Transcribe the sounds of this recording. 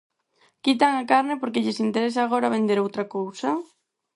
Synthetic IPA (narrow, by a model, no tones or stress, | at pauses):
kit̪̬aŋakaɾnɪpoɾkeʎɪsint̪eɾesaːɣ̞oɾaβend̪eɾowt̪ɾakowsɐ